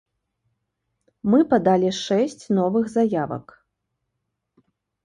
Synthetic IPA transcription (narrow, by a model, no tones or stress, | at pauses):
mɨpad̪alʲiʂɛsʲt͡sʲnɔvɨɣzajavɐ̰k